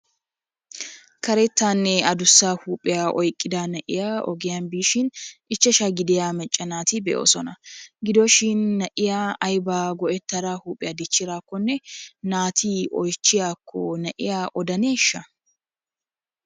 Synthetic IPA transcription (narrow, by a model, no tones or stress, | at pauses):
kɐɾɛt̪ːaːnːɛɐd̪ʊsːaːhuːpʼːɪjaːʔɔjkʼːɪd̪aːnɛʔɪ̰jaːɔ̰ɡɪjanbiːʃɪnɪt͡ʃːɛʃaɡɪd̪ɪjaːmɛt͡ʃʼːɐnaːt̪ibɛʔo̰ːsɔnɐɡɪd̪oʃɪnːɐʔɪjaːɐjbaːɡɔʔɛt̪ːɐɾaːhuːpʼːɪjaːd̪ɪt͡ʃːɪɾaːkːɔnːɛnaːt̪ʰiːʔɔjt͡ʃːɪjaːkʰːɔnɛʔɪ̰jaʔɔd̪ɐneːʃːɐ